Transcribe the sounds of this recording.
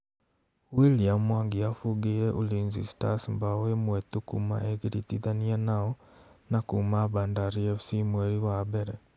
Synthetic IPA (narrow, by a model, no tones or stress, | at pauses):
wilijamwaːŋɡijafuɡiːɾeʔuliːnzistasimbawemwet̪ukṵma̰eɡiɾit̪iðanianaonakumaːβaːndaɾieβu̥simweɾiwaβeɾe